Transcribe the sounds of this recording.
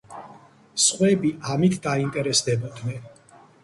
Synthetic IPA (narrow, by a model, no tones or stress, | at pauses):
sχwɛbiamit̪ʰd̪aint̪ʼɛɾɛsd̪ɛbɔd̪nɛn